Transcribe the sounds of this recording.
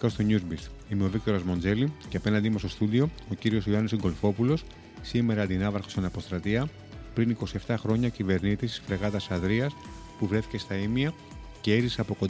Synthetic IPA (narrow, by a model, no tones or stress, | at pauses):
kɐst̪o̞ɲuzbist̪imeo̞vik̚t̪o̞ɾɐzmo̞nze̞liceɐpe̞nɐnd̪imost̪o̞st̪uðio̞ociɾio̞sjoɐnosiŋɡo̞lfo̞pulo̞s | sime̞ɾɐːnd̪inɐvɐɾxo̥snɐpo̞st̪ɾɐt̪iɐ | pɾiniko̞sie̞ft̪ɐxɾo̞ɲɐcive̞ɾnit̪isi̥sfɾe̞ɣɐt̪ɐsɐðɾiɐs | puvɾe̞θi̥ce̞st̪ɐimiɐ | ce̞eɾiseɐpo̞ko̞